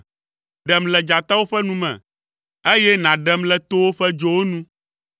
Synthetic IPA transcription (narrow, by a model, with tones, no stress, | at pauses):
ɖɛ˨mlɛ˨d͡ʒa˨t̪a˦wo˦ɸɛ˦nũ˦mɛ̰̃˨ | e˦jɛ˦nã˨ɖɛ˨mlɛ˨t̪o˦wo˦ɸɛ˦d͡ʒo˨wo˦nũ˦